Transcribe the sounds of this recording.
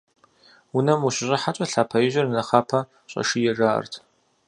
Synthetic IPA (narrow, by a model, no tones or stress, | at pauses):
wʊnɐmuɕɪʑʼɐħat͡ʃʼɐɬaːpʰɐjɪʒɐrnɐχaːpʰɐ | ɕʼɐ̰ʃijɛʒaːʔɐ̰rtʰ